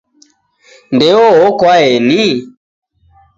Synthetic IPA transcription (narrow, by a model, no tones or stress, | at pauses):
ndɛɔɔkwaɛni